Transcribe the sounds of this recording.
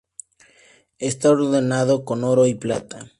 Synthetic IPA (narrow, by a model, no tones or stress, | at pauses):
est̪aoɾðenaðokonoɾoipla̰t̪a